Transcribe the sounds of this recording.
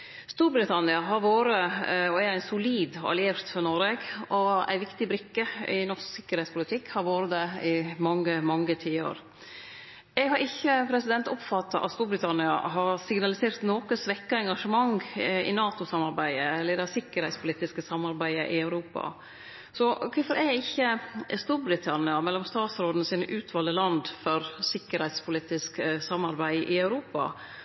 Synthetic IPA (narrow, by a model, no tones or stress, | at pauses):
st̪uːɾbɾɪt̪ʰɑnɪɑɦɑɾʋoːɾəɔɛæɪsʊliːd̪ɔ̰ʔæ̰leːft̪fɔɾnɔɾeɡɔæ̰ɪʋɪkt̪ɪbɾɪkːəɪnɔɾssɪkːəɾhɛɪt̪spʊlɪt̪ʰɪkːhɑɾʋoːɾəd̪ɛɪmɑŋːəmɑŋːət̪ʰiːə̰ɾ | ɛɡhɑɾʔɪçːəpʰɾɛsɪd̪ɛnt̪ɔpfɑt̪ːɑʔɑ̰t̪st̪uːɾbɾɪt̪ʰɑnɪɑɦɑɾsɪɡnɑlɪseːɾt̪noːkəsʋɛkːɑɛŋɡɑʂəmɑŋɪ̰nɑːt̪ʊsɑmɑɾbæɪəɛlːəɾd̪ɛsɪkːəɾhɛɪt̪spʰʊliːt̪ɪskəsɑmːɑɾbæɪəʔɪɑʉɾuːpɑ̰ | sɔkʰʊfɔɾɛɪçːəst̪uːɾbɾɪt̪ʰɑnɪɑmɛlːɔmst̪ɑːt̪sɾoːd̪nəsiːnəʔʉːt̪ʰʋɑːləlɑnd̪fɔɾsɪkːəɾhɛɪt̪spʰʊliːt̪ɪsksɑmːɑɾbæɪʔɪœʉɾuːpɑ̰